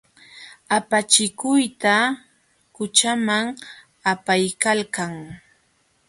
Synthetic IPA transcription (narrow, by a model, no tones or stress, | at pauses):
apat͡ʃɪkʊjt̪a | kʊt͡ʃamaŋ | apajkalkaŋ